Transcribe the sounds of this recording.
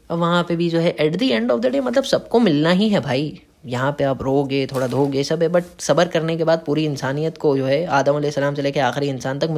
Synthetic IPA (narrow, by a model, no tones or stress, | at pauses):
ɔʋɐɦãpebʱid͡ʒoːɦɛʔɛɖd̪iɛ̃ɳɖɔːfd̪ɛːʈemɐt̪ləbsɐb̚komɪlnaɦiɦɛbʱaːi | jɐɦãpeaːpɾoːɡeːt̪ʰoːɽad̪ʱoːɡesɐbɦɛbɐʈ̚sɐbəɾkɐɾnekebaːd̪̚puːɾiɪnsaːnijət̪kod͡ʒoːɦɛaːd̪əmɐlesːɐlaːmseleːkeaːxɪɾiɪnsaːnt̪ɐk